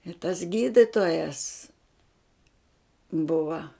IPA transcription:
ɪ tɐs ˈɡʲiːdʲɪtoːjɛs ˈbʊʋɐ

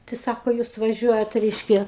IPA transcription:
tɐɪ ˈsɑːkoː ˈjuːs ʋɐˈʒʲuɔjɛt ˈrʲɛɪʃʲkʲɛ

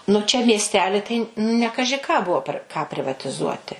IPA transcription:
nʊ ˈt͡ʃʲɛ mʲiɛsʲˈtʲæːlʲɪ tɐɪ nʲɛ ˈkɑːʒʲɪ kɑː ˈbʊʋoː pʲɛr kɑː pʲrʲɪʋɐtʲɪˈzuɔtʲɪ

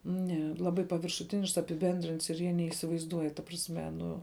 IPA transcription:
nʲɛ ˈlˠɑːbɐɪ pɐʋʲɪrʃʊˈtʲɪnʲɪʃks ɐpʲɪˈbʲɛnʲdʲrʲɪnts ɪr ˈjiɛ nʲɛiːsʲɪʋɐɪzˈduɔj tɐ prɐsʲˈmʲɛ ˈnʊ

